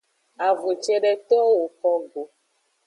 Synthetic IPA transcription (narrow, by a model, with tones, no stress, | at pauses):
a˨vu˨t͡ʃe˦ɖe˦t̪e˦o˦wo˨kɔ˦ɡo˨